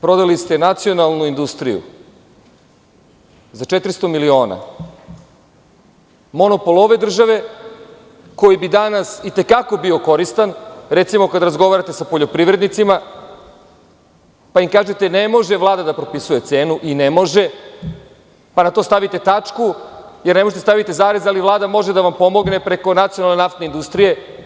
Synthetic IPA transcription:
pɾo̞d̪alist̪e̞nat̪sio̞nalˠnuind̪ust̪ɾijṵ | zat͡ʃet̪ɾist̪o̞milio̞ːna̰ | mo̞no̞po̞lˠoʋe̞d̪r̩ʒaʋe̞ | ko̞jibid̪anasit̪e̞kako̞bio̞ko̞ɾist̪anɾet̪simo̞kad̪ɾazɡo̞ʋaɾat̪e̞sapoʎopɾiʋɾe̞d̪nit̪sima | paimkaːʒet̪enemo̞ʒe̞ʋlˠaːd̪ad̪apɾo̞pisuje̞t̪se̞ːnuʔinemo̞ʒe̞ | panat̪o̞st̪aʋit̪e̞t̪at͡ʂkujeɾnemoʒet̪est̪aʋit̪e̞zaːɾezaliʋlˠaːd̪amo̞ʒed̪aʋampo̞mo̞ɡne̞pɾe̞ko̞nat̪sijonalne̞naft̪neind̪ust̪ɾije̞

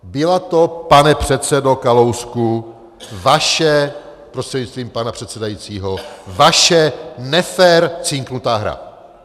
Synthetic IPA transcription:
bɪlat̪o̞panɛpr̥ɛt̪sɛdo̞kalowsku | vaʃɛ | pɾo̞st̪r̥ɛdɲɪt͡st̪viːmpanapr̝̥ɛt̪sɛdajit͡siːɦo̞vaʃɛnɛfɛːɾt͡sɪŋknut̪aːɦɾa̰

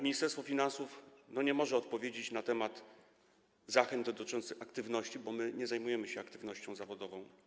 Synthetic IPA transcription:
mʲiɲist̪ɛɾst̪fɔfʲinansufnɔɲɛmɔʐɛɔt̪̚pɔvʲjed͡ʑet͡ɕnat̪ɛmad̪ | zaxɛnd̪d̪ɔt̪ɪt͡ʂɔnt̪sɘxakt̪ɘvnɔɕt͡ɕibɔmɘɲɛzajmujɛmɘɕɛakt̪ɘvnɔɕt͡ɕɔ̃w̃zavɔd̪ɔvɔ̃w̃

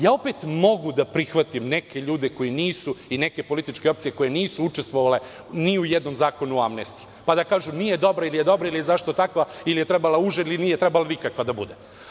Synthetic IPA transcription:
jaːo̞pet̪mo̞ɡud̪apɾixʋat̪imne̞ke̞ʎuːd̪eko̞jiniːsuine̞ke̞po̞lit̪it͡ʃke̞o̞p̚t̪sije̞ko̞jeniːsuut͡ʃest̪ʋoʋale̞ | niujed̪no̞mzaːko̞nuamnest̪i̥ | pad̪akaːʒunije̞d̪o̞bɾailijed̪o̞bɾailijezaʃt̪o̞t̪akʋailijet̪ɾebalauʒeilinijet̪ɾebalanikakʋad̪abud̪e

